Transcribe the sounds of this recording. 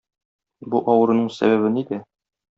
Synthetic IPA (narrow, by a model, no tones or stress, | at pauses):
buʔɒwɤ̆ɾɤ̆nɤɴsæ̰βæβɘnid̪ɘ